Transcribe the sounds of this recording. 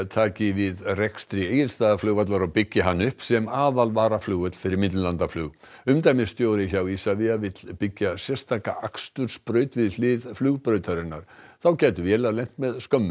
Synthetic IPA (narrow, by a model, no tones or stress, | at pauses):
t̪ʰaːcɪvɪðrɛkst̪ɾieːjɪlst̪aːðaflœːɣvat̪laɾawpɪcːɪɦanːʏhpsɛmaːðalvaːɾaflʏːɣœt̪l̥fɪɾɪɾmɪt̪llant̪aflʏːɣ | ʏmt̪ajmɪst̪joːwɾɪçawisavɪavɪt̪lpɪcːasjɛrst̪ʰaːkaʔakst̪ʏɾ̥spɾœːɥt̪vɪðlɪðflʏːɣpɾœːɥt̪ʰaɾɪnːaɾ̥θawcɛːt̪ʏvjɛːlalejn̥t̪mɛðskœmːʏ